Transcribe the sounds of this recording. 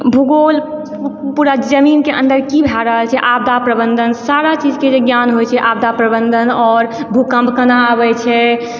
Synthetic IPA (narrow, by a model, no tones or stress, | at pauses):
bʱuɡol | puɾad͡ʒəminkeʔə̰̃nd̪əɾkibʱaɾəɦəlt͡ʃʰɛʔab̚d̪ʱapɾəbənd̪ʱənsaɾat͡ʃid͡ʒked͡ʒeɡjanɦojt͡ʃʰɛʔab̚d̪apɾəbə̃nd̪ʱənɔːɾbʱukə̃mbʱkənabɛt͡ʃʰɛ